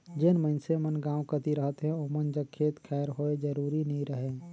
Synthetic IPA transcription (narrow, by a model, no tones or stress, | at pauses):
d͡ʒenməɪnsemənɡãukət̪iɾəɦət̪ɦɛ̃omənd͡ʒəkkʰːet̪kʰɛɾɦoed͡ʒəɾuɾinəĩɾəɦẽ